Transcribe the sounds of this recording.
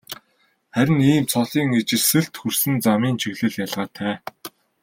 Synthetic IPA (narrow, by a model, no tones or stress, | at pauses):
χæɾʲɪ̆niːmt͡sʰɔɮiːŋet͡ɕɪ̆rsɘ̆ɬt̪xursɘ̆nt͡samiːnt͡ɕʰiɣɮɘ̆ɮjaɮʁaːt̪ʰæː